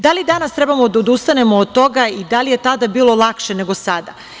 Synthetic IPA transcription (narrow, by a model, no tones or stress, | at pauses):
d̪alid̪anast̪ɾebamod̪aod̪ust̪ane̞moːd̪̚t̪o̞ɡaid̪alije̞t̪ad̪abiːlˠo̞lˠakʃene̞ɡo̞sad̪a̰